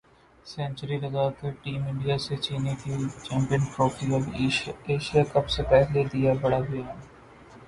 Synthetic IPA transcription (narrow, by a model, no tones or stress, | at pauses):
sɛ̃ːnt͡ʃəɾiɾɐzaːkeʈiːmɪ̃ɳɖijaset͡ʃiːnekit͡ʃɛ̃ːmpijənfɾoːkɾiɔbeːʃijakɐpsepɛɦled̪ijabɐɽaɡɐjaɛ